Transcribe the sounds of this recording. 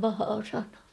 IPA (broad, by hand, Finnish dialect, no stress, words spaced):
pɑhɑː sɑnɑː